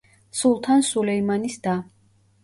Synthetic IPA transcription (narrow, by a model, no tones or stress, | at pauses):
sulˠt̪ʰansulɛimanisd̪a